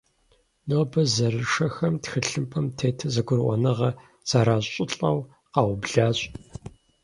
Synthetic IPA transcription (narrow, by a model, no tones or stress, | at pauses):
noːbɐzɐrɨʂɐxɐmtxɨɬɨmpʰɐmtʰeːtʰɐzɐɡʷʊrʔʷɔ̰nɨʁɐ | z̥aːɾaːɕʼɪɬʼɐw | qɑːwbɮaːɕʼ